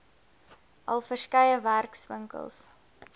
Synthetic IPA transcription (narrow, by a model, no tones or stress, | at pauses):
ʔɐ̰lˠfərskɛjəværksvə̰ŋkə̰lˠs